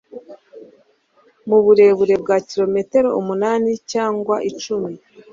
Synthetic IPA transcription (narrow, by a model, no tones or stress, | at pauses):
muβuɾe̞ːβuɾe̞b̚ɡaciɾo̞me̞te̞ɾo̞umunaːnicaːŋɡwaʔit͡ʃumi